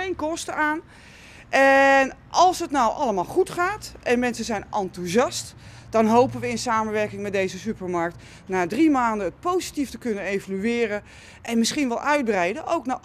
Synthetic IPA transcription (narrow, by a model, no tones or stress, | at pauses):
ejnkɔstəaːn | ʔɛnʔɑlˠsɦətnɔwʔɑləmaːlˠχutχaːtʔɛnmɛnsəzɛjnʔɑntuzɑst | d̥ɑnɦowpənʋəɪnsaːməʋɛrkɪŋmɛt̚dejzəsypərmaɹk̚t | naːdrimaːndəət̚powzitiftəkɵnənejvalyɪːrə | ʔɛnmɪsχinʋɛlˠʔœɥd̚brɛjdəʔowkna